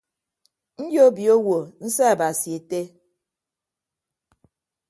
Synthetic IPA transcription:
n̩˦d͡ʒjo˦bi˨o˦wo˨n̩˦sɛ˦a˨ba˨si˨e˨te˦

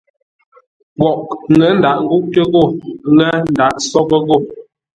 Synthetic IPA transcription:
ɡwɔ˨ʔŋɡɛ˨˦n̩˦da˨ʔŋ̩˦ɡu˦ʔ̚tə˦ɣo˦˨ɣɛ˦n̩˨da˨ʔsɔ˦kə˦ɣo˦˨

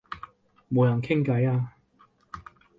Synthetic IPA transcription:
mo˨˧wjɐ˨˩nkʰɪ˥ŋkɐ˨˥jaː˧

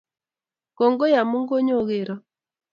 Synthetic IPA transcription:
kɔ˨ŋɡo˦ja˨mu˦ŋɡo˦ɲo˦˨ɣe˨ɾɔ˦

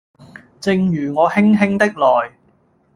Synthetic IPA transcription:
t͡sɪ˧ŋjyː˨˩ŋɔː˨˧hɪ˥ŋɦɪ˥ŋt̪ɪ˥k̚lɔː˨j

